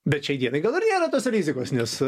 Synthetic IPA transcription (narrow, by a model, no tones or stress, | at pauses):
bʲɛt̪ʃʲɛɪd̪ʲiɛnɐɪɡɐlˠɪrnʲeːɾɐt̪oːsrʲiːzʲɪkoːsnʲɛs